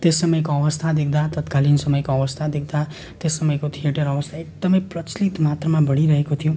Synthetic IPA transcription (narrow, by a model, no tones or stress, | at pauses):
t̪esːʌmʌjkoʌʋəst̪ʰad̪ek̚ʰd̪at̪ʌt̪kalinsʌmʌjkoʌʋʌst̪ʰad̪ek̚ʰd̪a | t̪esːʌmʌjkot̪ʰijeʈʌɾʌʋəst̪ʰaek̚d̪əməjpɾʌt͡slit̪mat̪ɾəmãbʌɽ̃iɾʌɦekot̪ʰijũ